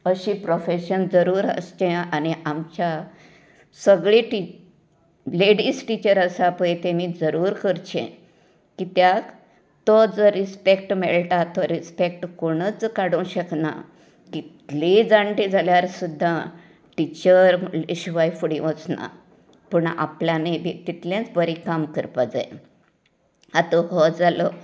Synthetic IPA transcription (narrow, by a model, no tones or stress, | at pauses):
əɕĩpɾofeɕənd͡zəɾuːɾə̰st͡ɕẽaniʔamt͡ɕa | səɡɭeʈi | leɽisʈit͡ɕəɾəsapəjt̪emiːd͡zəɾuːɾkəɾt͡ɕḛ̃ | kit̪jak | t̪ɔd͡zəɾispek̚ʈmɛɭʈat̪ɔɾispek̚ʈkoɽ̃ət͡skaɽũɕəkna̰ | kit̪led͡zãɳʈid͡zʱaljaɾsud̪ʱːa | ʈit͡ɕəɾiɕuʋajfuɽĩʋət͡sna̰ | pəɳa̰pljanebit̪it̪ljãt͡sbəɾikamkəɾpad͡zae | at̪ɔɦɔd͡zalɔ